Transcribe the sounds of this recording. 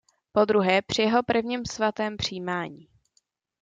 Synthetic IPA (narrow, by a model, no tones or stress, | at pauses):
po̞d̪ɾuɦɛːpr̝̥ɪjɛɦo̞pr̩vɲiːmsvat̪ɛːmpr̝̥iːmaːɲiː